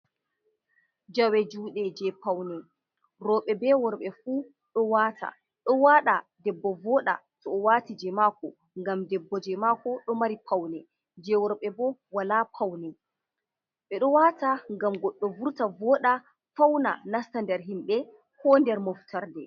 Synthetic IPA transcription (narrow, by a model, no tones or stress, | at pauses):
d͡ʒawɛd͡ʒuːɗɛd͡ʒɛpawnɛ | ɾɔːɓɛbɛwɔɾɓɛfuː | ɗɔwaːtʰa̰ | ɗɔwaɗa | dɛbːɔvɔɗa̰tɔːwaːtid͡ʒɛmaːkɔ | ŋɡamdɛbːɔd͡ʒɛmakɔɗɔmaɾipʰawnɛ | d͡ʒɛwɔɾɓɛbɔwalapʰawnɛ | ɓɛɗɔwataŋɡamɡɔɗːɔvuɾtavɔːɗa | fawna̰nastandɛɾɦimɓɛ | kɔndɛɾmɔftʰaɾdɛ